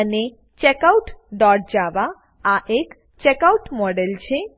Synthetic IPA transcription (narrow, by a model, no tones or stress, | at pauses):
əne | t͡ɕekauʈd̪ɔɾd͡ʑaʋa | aʔek | t͡ɕekauʈmɔɖelt͡ɕʰe